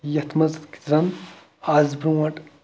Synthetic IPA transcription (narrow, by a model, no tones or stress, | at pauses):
jɐt̪ʰmɐzki̥t̪ɾɐn | aːzbɾuwɐʈ